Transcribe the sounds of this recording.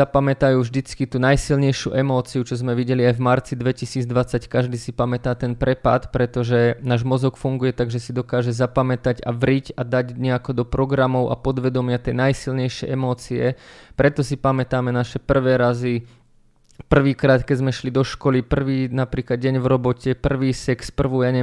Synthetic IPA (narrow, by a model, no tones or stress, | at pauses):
apamɛt̪ajuːvʒd̪it͡skit̪uːnajsilɲɛjʃɪuʔɛmɔːt͡siut͡ʃɔzmɛʋiɟɛliajvmaɾt͡sid̪ʋɛcisiːd͡zd̪ʋat͡sackaʒd̪iːsipamɛt̪aːt̪ɛnpɾɛpa̰t̪pɾɛt̪ɔʒɛnaːʒmɔzɔkfuŋɡujɛt̪aɡʒɛsid̪ɔkaːʒɛzapamɛt̪aɟa̰ʋɾiɟad̪aɟɲɛakɔd̪ɔpɾɔɡɾamɔʊʔa̰pɔd̪ʋɛd̪ɔmɪat̪ɛjnajsilɲɛjʃɪɛ̰jʔɛmɔːt͡siɛpɾɛt̪ɔsipamɛt̪aːmɛnaʃɛpr̩ʋɛːɾazi | pr̩ʋiːkɾaːt̪kɛzmɛʃlid̪ɔʃkɔlipr̩ʋiːnapɾiːklad̪̚ɟɛɲvɾɔbɔcɛpr̩ʋiːsɛkspr̩ʋɔjaɲɛ